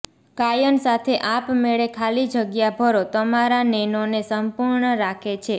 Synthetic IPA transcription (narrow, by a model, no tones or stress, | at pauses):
kajənsat̪ʰeʔapmeɭekʰalid͡ʒʱəɡjabʱəɾot̪əmaɾanenonesəmpuɾɳəɾakʰet͡ʃʰe